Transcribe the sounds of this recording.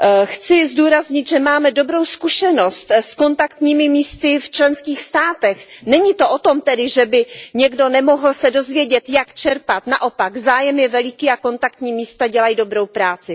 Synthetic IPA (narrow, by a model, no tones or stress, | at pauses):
xt͡sɪzduːɾazɲɪt̪ʒɛmaːmɛdo̞bɾo̞wskuʃɛno̞st̪sko̞nt̪akt̪ɲiːmɪmiːst̪ɪft͡ʃlɛnskiːxst̪aːt̪ɛxnɛɲɪt̪o̞ʔot̪o̞mt̪ɛdɪʒɛbɪɲɛɡdo̞nɛmoɦl̩sɛdo̞zvjɛɟɛt̪jakt͡ʃɛɾpat̪na̰ʔo̞paɡzaːjɛmjɛvɛlɪkiːako̞nt̪ak̚t̪ɲiːmiːst̪aɟɛlajido̞bɾo̞wpɾaːt͡sɪ